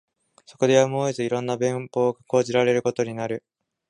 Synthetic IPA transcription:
so̞ko̞d̪e̞jamoːezɨiɾõ̞nːabẽ̞mpo̞ːɡḁko̞ːʑiɾaɾe̞ɾɯ̟kot̪o̞ɲ̟inaɾɯ̟

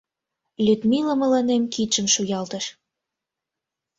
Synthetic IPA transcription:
lʲyt̪miləmə̆lɑnemkit͡ʃə̆mʃujɑlt̪ə̆ʃ

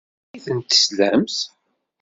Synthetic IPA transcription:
iθənt̪ə̥slæmθ

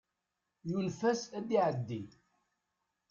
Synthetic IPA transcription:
julfæsæd̪iʕəd̪ːi

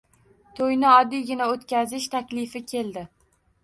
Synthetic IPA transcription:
t̪ʰojnɪɒd̪ːiɡʲɪnaot̪kʲazɪʃt̪ʰakʲlɪfɪkʲʰe̞lˠd̪ɪ

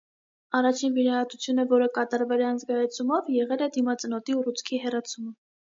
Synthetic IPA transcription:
ɑrɑt͡ʃʰinviɾɑhɑt̪ut͡sʰjunəvɔɾəkɑt̪ɑɾvɛlɛɑnzɡɑjɛt͡sʰumɔvjɛʁɛlɛd̪imɑt͡sənɔt̪iurut͡sʰkʰiɦɛrɑt͡sʰumə

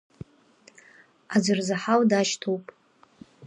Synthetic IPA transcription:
ad͡zʷɨrzaħawdaʃtʰowpʼ

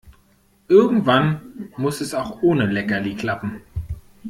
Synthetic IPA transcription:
ʔɪɐɡŋ̩tv̥anmʊsɛsaʊxʔoːnəlɛkɐliːkʰl̥apm̩

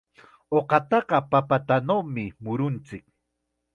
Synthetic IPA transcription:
oqɑt̪ɑɢɑpapat̪anawmɪmʊɾʊnt͡sɪk

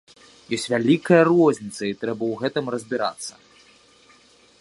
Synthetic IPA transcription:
jɔsʲtʲvʲalʲikɐjɐrɔzʲnʲit̪sɐit̪ɾɛbɐwɣɛt̪ɨmrɐzʲbʲiɾa̰t̪sːɐ̰

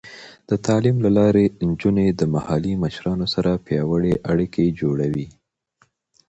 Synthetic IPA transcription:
d̪̥ət̪ɑlimlalɑɾend͡ʒuned̪əmahɑliməʃɾɑnosaɾapjɑwəɽeʔaɽikʰed͡ʒoɽawi

